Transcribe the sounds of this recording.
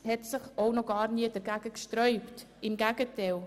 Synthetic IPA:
hɛtsɪχownɔɡɑːɾniədəɾɡæɡ̥əkʃtɾœʏptɪmɡæɡətɛl

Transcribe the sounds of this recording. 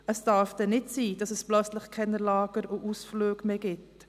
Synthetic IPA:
əsd̥ɑːɾfd̥ɛnɪtsiːd̥ɑsəsplœt͡slɪχkʰɛnəlɑːɡ̥əɾoʔusfløːɡ̥meːɡɪt

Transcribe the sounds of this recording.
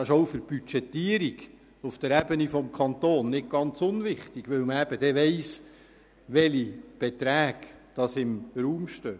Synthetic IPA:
ɪʃɔʊfəɾb̥yt͡ʃɛt̪ːiːəɾiɡ | ufd̥əɾɛbənifɔmkʰɑnt̪oːnːɪt̚ɡ̥ɑnt͡sʊnʋɪχtiɡ̥ʋɵwməæb̥əd̥ɛʋɛɪs | ʋɛlib̥et̪ɾæːɡd̥ɑsɪmɾuːmʃtøː

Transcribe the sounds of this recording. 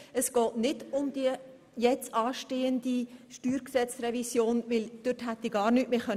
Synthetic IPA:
əsɡ̥ɔːtnɪdʊmd̪̥iə | jɛt͡sɑːʃteːəndiʃtyːɾksɛt͡srɛvisjoːnvɪld̥ʏtɦæt̪iɡɑːɾnyːtmeːχœ

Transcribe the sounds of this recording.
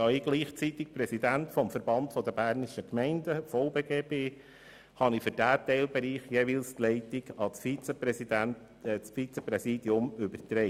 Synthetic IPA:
ɑːɪɡ̥liːχt͡sitɪk̚prɛsidæntfɔmfəɾb̥ɑntfɔd̪əbæːɾniʃəkmɛɪndəfɔʊbeːɡeːpeː | hɑnifʏɾd̥æːtɛɪlbɛɾiːχjeviːlstlɛɪtɪɡɑsfit͡səpɾɛsidænt | t͡sfiːt͡səpɾɛsiːdiʊmʏbəɾtɾɛɪ

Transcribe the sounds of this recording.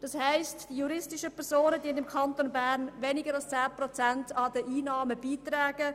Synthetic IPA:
d̥ɑshæɪstd̥ijuɾɪstɪʃəpʰɛɾzoːnədiəndɪmkʰɑntonbæːɾnʋɛnɪɡəɾɑlst͡sæːpɾot͡sæntɑdəʔiːnɑːməb̥iːtɾɛːɡ̥ə

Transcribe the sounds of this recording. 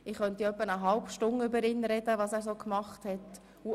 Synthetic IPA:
ɪχχœntiœpːənəɦɑlpʃtʊnʏbəɾɪnɾɛdəʋɑːsæːɾzoːkmɑχthɛt | u

